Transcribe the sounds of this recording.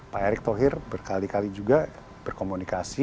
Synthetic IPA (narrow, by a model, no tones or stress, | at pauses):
paɛɾɪk̚t̪oɦɪrbərkalikalid͡ʒuɡa | b̥ərkomunikasi